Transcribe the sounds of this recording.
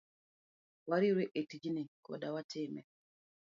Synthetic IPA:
waɾiɾeʔetid͡ʒinikɔ̰dawatʰɪmɛ̰

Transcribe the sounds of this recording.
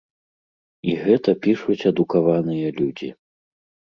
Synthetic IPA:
iɣɛt̪ɐpʲiʂut͡sʲɐd̪ukavanɨjɐlʲud͡zʲḭ

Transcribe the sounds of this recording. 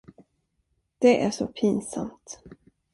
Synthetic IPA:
d̪̥ɛʔæʂɔpʰiːnsa̰mt̪

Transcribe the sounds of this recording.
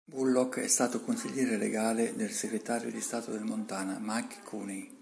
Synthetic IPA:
bulːɔkːɛ̰st̪aːt̪okonsḭʎːɛːɾeleɡaːled̪elseɡɾet̪aːɾjod̪ist̪aːt̪od̪elmont̪aːnamakkʰːuni

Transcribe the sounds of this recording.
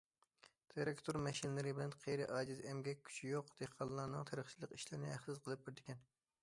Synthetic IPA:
t̪ʰeɾekt̪ʰoɾmɛʃinlɨɾɨbɪlɛnqʰejɾɪʔɑːd͡ʒɪzɛmɡʲɛkʲʰːy̥t͡ʃʰijoqd̪̥eqʰɑlˠːɑːnɨŋt̪ʰeɾəχt͡ʃʰilˠəqiʃlɪɾnɪæχsɨzqʰəlˠɨp̚bɪɾd̪ɪkʲʰɛn

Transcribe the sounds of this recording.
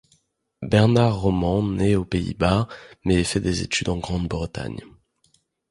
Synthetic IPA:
bɛʁnaʁːɔmɑ̃neopeḭbamɛːfɛd̪ezḛt̪ʰyd̪ɑ̃ɡʁɑ̃d̪bʁət̪a̰ɲ

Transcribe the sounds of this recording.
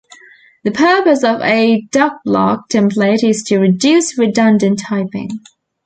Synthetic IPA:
ðəpʰɜˑ˞pəsəvəd̥ʌk̚b̥lɑ̰ˑk̚tʰɛ̃mpleɪɾɪz̥tʰɨɹɪdjʉˑsɹɪdʌ̃ndɨ̃ntʰaɪpɪ̰̃ŋ

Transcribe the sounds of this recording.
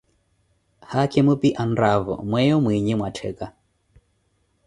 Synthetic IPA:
hakʰɛmupiʔanɾavɔ̰mwɛjɔmwiɲimwatʰɛ̰ka

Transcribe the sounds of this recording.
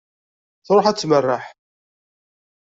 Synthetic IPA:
θɾˤoħæt͡sːmərːaħ

